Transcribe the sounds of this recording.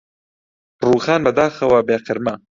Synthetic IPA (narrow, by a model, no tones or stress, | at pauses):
ruːxaːnbɐd̪aːxɐwɐbeːqɨɾmɐ